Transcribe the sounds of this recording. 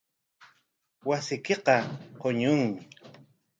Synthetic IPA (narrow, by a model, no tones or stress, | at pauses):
wasɪkeqɑqoɲʊŋmɪ